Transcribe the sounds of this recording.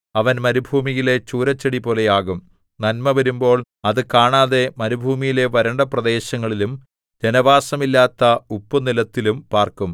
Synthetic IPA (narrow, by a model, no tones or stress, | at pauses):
ɐʋɐnmɐɾubʱuːmijile̞t͡ɕuːɾɐt͡ɕːɐɽipo̞ːle̞jaːɣum | nɐnmɐʋɐɾumbo̞ːɭ | ɐðɨkaːɳaːðe̞mɐɾubʱuːmijile̞ʋɐɾɐɳɖɐprɐd̪e̞ːɕɐŋːɐɭilum | d͡ʑenɐʋaːsɐmilːaːt̪ːɐupːɐnilɐt̪ːilumpaːrkum